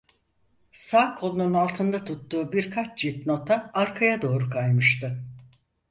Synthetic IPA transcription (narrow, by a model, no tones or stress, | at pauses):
saːkʰo̞lˠununalˠt̪ʰɯnd̪at̪ʰut̪ːuːbiɾkʰat͡ʃd͡ʒit̪not̪ʰaaɾkʰajad̪o̞ːɾukʰajmɯʃt̪ɯ